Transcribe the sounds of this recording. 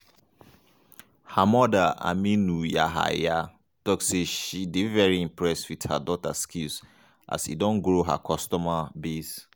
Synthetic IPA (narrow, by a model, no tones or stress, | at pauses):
hamɔdaa̰mĩnuja̰ɦa̰ja | tɔkseʃidevɛɹiĩmpɹɛswitha̰dɔta̰skʰils | ʔa̰sḭdɔ̃nɡɾoɦa̰kʰɔstɔmabes